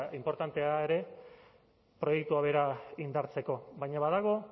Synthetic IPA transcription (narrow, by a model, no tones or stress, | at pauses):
impo̞ɾt̪ant̪e̞ae̞ɾe̞ | pɾo̞jekt̪uaβe̞ɾaind̪aɾt͡se̞ko̞βajɲaβaðaɣ̞o̞